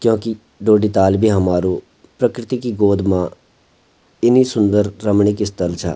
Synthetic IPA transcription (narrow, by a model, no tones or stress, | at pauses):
kjõːkɪ | ɖoːɖiːt̪aːlbʱiːɦəmaːɾũː | pɾəkɾɪt̪ikiːɡoːd̪mãː | ɪniːsʊnd̪əɾːəmɳɪːkɪst̪əlt͡ʃʰa̰ː